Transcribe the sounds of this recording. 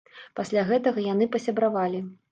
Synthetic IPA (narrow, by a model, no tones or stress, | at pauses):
pasʲlʲaɣɛt̪ɐɣɐjanɨpɐsʲabɾavalʲi